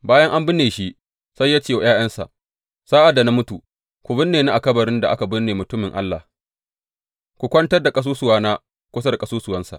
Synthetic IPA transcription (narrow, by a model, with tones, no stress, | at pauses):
baː˦jɐ˦ŋʔa˦mbɪ˦nːeː˨ʃi˦ | sa˦jːaː˦t͡ʃeː˦wa˨jaː˦j̰ɐ˦nsa̰˨ʔ | saː˦ʔa˨da˨na˦mʊ˦tu˨ | kʷu˨bɪ˦nːeː˨na˦ʔa˨kɐ˦bɐ˨ɾɪ˦nda˨ʔa˦ka˨bʊ˦nːeː˨mʊ˨tʊ˦mɪ˨ŋʔa˦lːa̰˨h | kʷu˨kʷɐ˦ntɐ˦rda˨kʼɐ˦s̬uː˦sʊ˨waː˦naː˦ | kʷʊ˦sɐ˦rkʼɐ˦suː˦sʊ˨wɐ˦nsa̰˨ʔ